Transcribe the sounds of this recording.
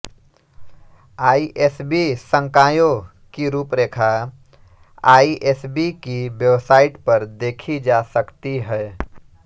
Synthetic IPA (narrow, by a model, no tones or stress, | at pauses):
aːiʔeːsbisə̃ŋkaːjo | kiɾuːpɾeːkʰa | aːiʔesbikiʋjeʋsaːɪʈpɐɾd̪eːkʰid͡ʒaːsɐkt̪iɦɛː